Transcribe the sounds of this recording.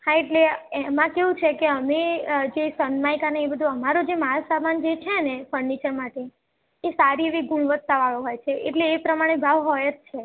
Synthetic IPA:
hãeʈleɛmãkeɦũt͡ʃʰekeəmed͡ʒesənmajkaneebəd̪ʱuəmaɾod͡ʒemaɭasaband͡ʒet͡ʃʰenefəɾɳit͡ʃəɾmaʈeː | saɾieʋiɡuɳʋət̪ːaʋaɭoɦɔjt͡ʃʰeʔeʈleːpɾəmaɽ̃ebʱaʋɦɔjət̪̚t͡ʃʰe

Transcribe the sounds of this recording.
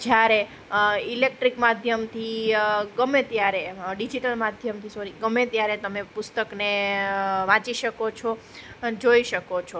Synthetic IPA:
d͡ʒjaɾe | ilek̚ʈɾikmad̪ʱjəmt̪ʰiɡəmẽt̪jaɾeɖid͡ʒiʈəlmad̪ʱjəmt̪ʰisoɾiɡəmet̪jaɾet̪əmepʊst̪əkne | ʋãt͡ʃiʃəkot͡ʃʰo | d͡ʒoiʃəkot͡ʃʰo

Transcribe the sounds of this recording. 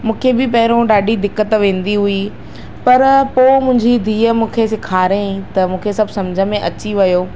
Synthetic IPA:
mũːkʰebɪpɐɦɪɾõɗaːɖʱid̪ɪkːət̪ʋẽːn̆d̪iɦui | pɐɾpoːmʊ̃ɦɪ̃ɲd͡ʑid̪ʱiːəmũːkʰesɪkʰaːɾẽt̪ɐmũːkʰesɐbʱsɐmd͡ʑʱəmẽʔɐt͡ɕiʋɐjoː

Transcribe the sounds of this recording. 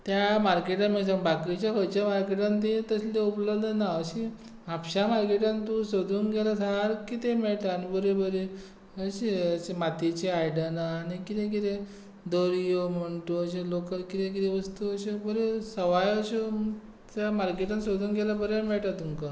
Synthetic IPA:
t̪jamaɾkeʈameɭsabakit͡ɕjakəjt͡ɕamaɾkeʈãnt̪et̪əsleupləbd̪ənaəɕe | apɕamaɾkeʈãnt̪usod̪ʱuːnɡelasaaɾkit̪emeɭʈ̪aːnibəɾebəɾe | əɕeəɕemat̪it͡ɕeajɽənaːɽikit̪ẽkiɾe | d̪oɾijom̤əɳt̪uəɕ̬elokəɾkit̪ẽk̬iɾẽʋəst̪uəɕebəɾesəʋajəɕe | t̪jamaɾkeʈansod̪ʱuːnɡelabəɾemeɭʈat̪uŋka

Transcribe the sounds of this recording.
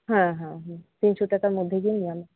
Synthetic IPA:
ɦãɦãɦãt̪inʃɔʈakaɾmod̪ʱːeɡiniame

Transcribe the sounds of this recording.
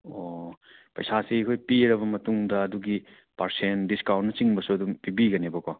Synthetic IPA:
o | pɐ̰jsasiɐkʰojpiɾɐbɐmɐtuŋdɐɐduɡi | pɐɾsendiskawnnɐt͡ʃiŋbɐsuɐdumpibiɡɐnebɐko

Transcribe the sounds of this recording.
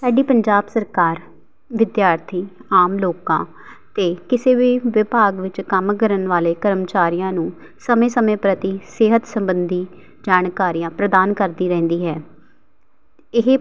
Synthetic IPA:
saːɖiːpəɲd͡ʒaːbsəɾkaːɾ | ʋɪd̪jaːɾt̪ʰiːaːmloːkãː | t̪eːkɪseːʋiːʋɪbʱaːɡʋɪt͡ʃkəmkəɾənʋaːleːkəɾəmt͡ʃaːɾijãːnũː | səmẽːsəmẽːpɾət̪iːsɪɦət̪səmbənd̪iː | d͡ʒaːnkaːɾiːjãːpɾəd̪aːnkəɾd̪iːɾɛ̃ːnd̪iːɦɛː | ɪɦ

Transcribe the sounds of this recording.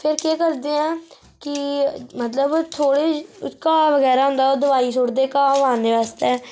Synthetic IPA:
pʰɪɾkeːkəɾd̪eːãː | kɪmət̪ləbt̪ʰoːɽeːkaːʋəɡɛːɾaːɦʊ̃nd̪aːoːd̪əʋaːiːsʊɽd̪eːkaːʋaːneːʋaːst̪eɛː

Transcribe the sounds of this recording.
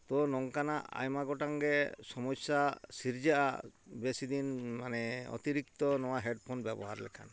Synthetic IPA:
t̪ɔnɔŋkanaʔa̰jmaɡɔʈaŋɡɛsɔmɔsasiɾd͡ʒaʔa̰besid̪inmanɛɔ̰t̪iɾik̚t̪ɔnɔwaɦɛɖpʰonbjɛbɔɦaɾlɛ̰kʰa̰n

